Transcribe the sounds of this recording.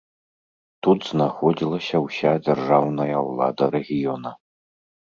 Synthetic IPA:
t̪ut̪z̥naxod͡zʲilˠɐsʲɐwɕʲad͡zʲɐrʐawnɐjɐwlˠa̰d̪ɐɾɛɣʲijonɐ

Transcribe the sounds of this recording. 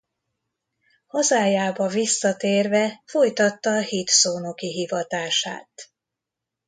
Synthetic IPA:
hɒzaːjaːbɒvisːɒt̪eːrvɛfo̞jt̪ɒt̪ːɒːhit̪soːno̞kiɦivɒt̪aːʃa̰ːt̪

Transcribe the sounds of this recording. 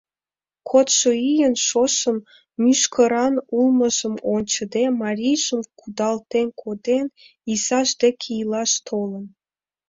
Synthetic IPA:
kʰot̪ʃoijənʃoʃə̆mː | yʃkʰə̆ɾɑnulˠmə̆ʒəmonʲt͡ɕə̆d̪emɑɾʲijʒəmkud̪ɑlt̪enkʰod̪en | isɑʒd̪ekʲʰiijlɑʃt̪ʰolə̆n

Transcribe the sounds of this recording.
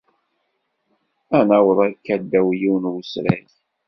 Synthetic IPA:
ænæwəðˤækːæd̪ːæwjiwnwusɾæ̰ç

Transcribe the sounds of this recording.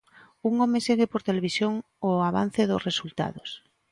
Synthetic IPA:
uŋomeseɣepoɾt̪eleβ̞isjoŋ | oaβa̰n̟θeðʊsresult̪a̰ðʊs

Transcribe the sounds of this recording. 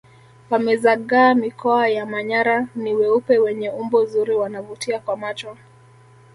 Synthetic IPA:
wamɛzaɠaːmikʰɔajamaɲaɾaniwɛupɛwɛɲɛumbɔzuɾiwanavutiakwamat͡ʃɔ

